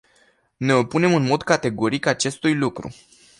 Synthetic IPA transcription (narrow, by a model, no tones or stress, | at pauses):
ne̞o̞pune̞mɨnmo̞d̪kat̪e̞ɡo̞ɾikat͡ʃe̞st̪ujlukɾṵ